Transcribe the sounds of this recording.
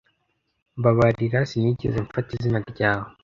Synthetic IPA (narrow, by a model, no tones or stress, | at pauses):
mbaβaɾiɾasiɲiɟḛzeɱfatizinaɾɟaːwo